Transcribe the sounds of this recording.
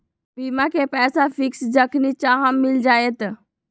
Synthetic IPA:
biːmãkʰepɛːsafʰɪksd͡ʒəkʰnit͡ʃaːɦãmmːɪld͡ʒaːet̪

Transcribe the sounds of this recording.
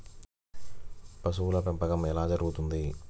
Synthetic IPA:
pɐs̬uwulɐpɛmpɐɡɐmɛlaːd͡ʒɐɾuɡut̪und̪i

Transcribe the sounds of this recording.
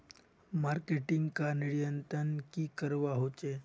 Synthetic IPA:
maɾkeʈiŋɡkaniɭjənt̪ɾənkiːkəɾʋaɦot͡ʃe

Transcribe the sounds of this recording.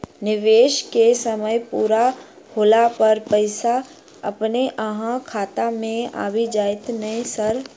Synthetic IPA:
nɪʋeːʃkesəməjpuːɾa | hoːlapɐɾpəɪsa | ɐ̰pneʔəɦãkʰaːt̪amẽa̰ːʋid͡ʒaːɪt̪nɐĩsɐɾ

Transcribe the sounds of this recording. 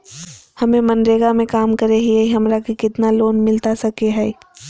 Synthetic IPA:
hɐmẽmɐnɾeːɡamẽkaːmkɐɾeɦieiɦɐmɾakikɪt̪naloːnmɪlt̪asɐkeɦɛː

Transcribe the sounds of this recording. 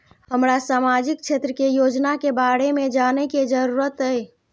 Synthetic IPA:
həmɾasamad͡ʒik̚t͡ʃʰet̪ɾəkejod͡ʒnakebaɽemed͡ʒanɛked͡ʒəɾuɾət̪əj

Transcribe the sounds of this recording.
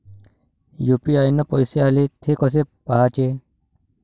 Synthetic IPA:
jupiajnəpɔjsealet̪ʰekəs̬epaɦat͡ʃe

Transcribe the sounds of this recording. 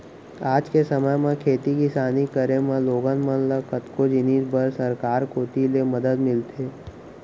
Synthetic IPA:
aːd͡ʒkesəməjmẽkʰeːt̪ikɪsaːnikəɾemẽloːɡənmənləkət̪kod͡ʒɪniːd͡ʒbəɾsəɾkaːɾkʰoːt̪ileməd̪əd̪mɪlt̪ʰeː

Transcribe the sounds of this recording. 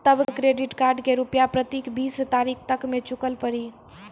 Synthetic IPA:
t̪əbkɾeɖiʈkaɾɖkeɾupjapɾət̪ikbist̪aɾikʰt̪əkmet͡ʃukəlpəɽi

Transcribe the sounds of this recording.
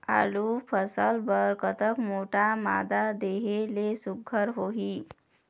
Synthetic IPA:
a̰lupʰəsəlbəɾkət̪əkmoʈama̰d̪ad̪eɦelesuɡʱəɾɦoɦi

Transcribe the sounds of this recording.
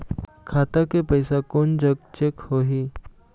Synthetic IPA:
kʰat̪akepəjsakond͡ʑəɡ̚t͡ɕekhoɦi

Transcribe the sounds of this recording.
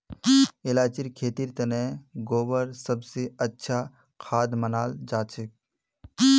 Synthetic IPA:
ɪlaːt͡ʃiɾkʰeːt̪iɾt̪ɐnɛːɡoːbəɾsɐbseɐtːʃʰa | kʰaːd̪mənaːld͡ʒaːt͡ʃɪk̚

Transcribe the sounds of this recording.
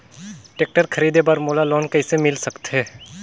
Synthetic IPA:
ʈeːk̚ʈəɾkʰɐɾiːd̪ebɐɾmoːlaloːnkɐɪsemɪlsəkt̪ɦɛː

